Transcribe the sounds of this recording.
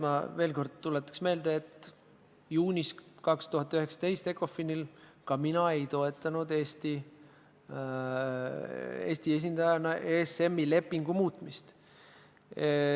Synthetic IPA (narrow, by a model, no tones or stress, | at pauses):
mɑ̰ve̞ːlko̞rd̪̥̚t̪ulet̪ːˑɑ̥ksme̞ːld̪̥eet̪ːˑ | juːnʲiskɑkst̪uɦɑt̪ːˑyɦe̞ksɑ̥t̪e̞jst̪e̞kːo̞finilkɑminɑe̞jt̪o̞e̞t̪ːˑɑnud̪e̞ːst̪i | ḛːst̪ie̞s̬ʲind̪̥ɑjɑnɑʔeːse̞mːile̞pːˑiŋɡ̥umuːt̪ˑmist̪